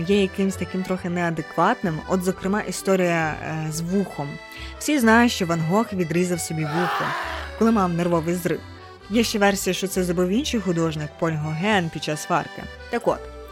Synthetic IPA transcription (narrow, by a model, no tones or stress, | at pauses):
jɛjɐkɪmsʲt̪ɐkɪmt̪ɾɔxɪnɛɐd̪ekʋɑt̪nɪmɔ̰d̪zɔkɾɪmɑʔist̪ɔɾʲijɐzʋuxɔm | w̥sʲiznɑjʊʃt͡ʃɔʋɐnɦɔxʋʲid̪ɾizɐwsɔbʲiʋuxʊkɔlˠɪmɑwnerʋɔʋɪjzɾɪ̰w | jɛʃt͡ʃɛʋɛrsʲijɐʃt͡ʃɔt̪sɛzɾɔbɪwinʃɪjxʊd̪ɔʒnɪkpɔlʲɦɔɦɛnpʲd̥̪̚t͡ʃɑsfɑ̰rkɪ̰ | t̪ɐkɔ̰t̪